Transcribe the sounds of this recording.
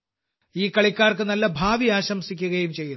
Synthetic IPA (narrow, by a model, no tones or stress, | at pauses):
iːkɐɭikʲːaːrkɨnɐlːɐbʱaːʋiaːɕɐmsikʲːuɣɐjumt͡ɕe̞jːu